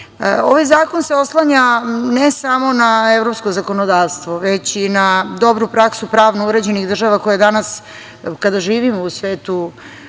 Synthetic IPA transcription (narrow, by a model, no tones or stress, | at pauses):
oʋajzaːkonseo̞slˠaɲanesamo̞naevɾo̞psko̞zako̞nod̪aːʋst̪ʋo̞ʋet͡ɕinad̪o̞bɾupɾaksupɾaːʋnuuɾe̞d͡ʑe̞niɣd̪r̩ʒaʋakojed̪anas | kad̪aʒiːʋimousʋeːt̪u